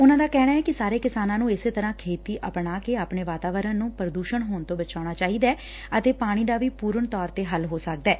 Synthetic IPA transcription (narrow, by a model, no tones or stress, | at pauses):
ʊnãːd̪aːkɛːɽ̃aːɛːkɪsaːɾeːkɪsaːnãːnũːɪseːt̪əɾãːkʰeːt̪iːʔəpɳaːkeaːpɳeːʋaːt̪aːʋəɾənnũːpɾəd̪uːʃəɳɦoːɳt̪õːbət͡ʃaːɽ̃aːt͡ʃaːɦiːd̪ɛː | ət̪eːpaːɽ̃iːd̪aːʋiːpuːɾəɳt̪ɔːɾt̪eːɦəlɦoːsək̚d̪ɛː